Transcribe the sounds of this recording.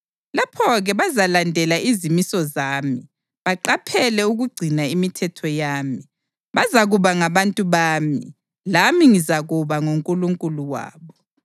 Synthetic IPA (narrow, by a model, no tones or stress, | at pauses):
lapʰɔɣɛβazalandʱɛlaʔizimisɔzaːmi | βaǃapʰɛlɛuɣuɡ͡ǀʱinaimitʰɛtʰɔjaːmi | βazaɣuβaŋaβantʼuβaːmi | lamiŋizaɣuβaŋoŋkʼuluŋkʼuluwa̰ːβɔ